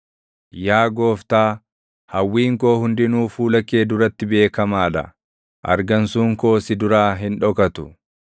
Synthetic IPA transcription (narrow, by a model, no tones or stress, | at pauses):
jaːɡo̞ːft̪aː | hɐwːiːŋko̞ːhʊnd̪ɪnuːfuːlɐkːe̞ːd̪ʊɾɐt̪ːɪbe̞ːkɐmaːᶑ̪ɐ̰ | ʔɐ̰ɾɡɐnsuːŋko̞ːsɪd̪ʊɾaːɦɪnᶑɔkɐt̪ʊ